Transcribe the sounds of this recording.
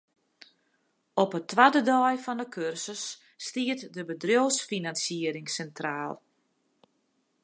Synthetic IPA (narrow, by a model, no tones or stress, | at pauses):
ɔpətʋadədɔjfɔndəkʰørsəsː | tiətdəbədrjowsfinansjiəɾɪŋsɛntraːlˠ